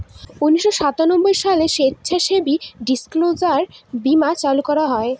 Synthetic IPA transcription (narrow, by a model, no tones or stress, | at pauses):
uniʃːoʃat̪anobːojʃaleʃetːɕʰaʃebiɖisklod͡ʑaɾbimat͡ɕalukɔɾaɦɔe